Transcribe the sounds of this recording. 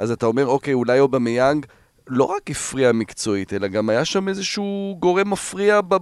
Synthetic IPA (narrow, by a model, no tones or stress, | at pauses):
ʔazatao̞me̞ʁo̞kejulajobemejaŋɡ | lo̞̰ʁakifʁiamikt͡so̞ite̞laɡamajaʃame̞zeʃuɡo̞ʁe̞mːafʁiaba